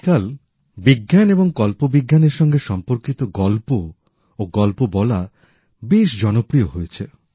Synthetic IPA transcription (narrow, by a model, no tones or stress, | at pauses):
kal | biɡːaneboŋkɔlpobiɡːaneɾʃɔŋɡeʃɔmpoɾkit̪oɡɔlpoː | ɡɔlpobɔla | beʃd͡ʑɔnopɾioɦojet͡ɕʰe